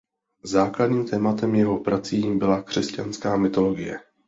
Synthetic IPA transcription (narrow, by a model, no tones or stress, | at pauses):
zaːkladɲiːmt̪ɛːmat̪ɛmjɛɦo̞pɾat͡sijimbɪlakr̝̥ɛscanskaːmɪt̪o̞lo̞ɡɪjɛ̰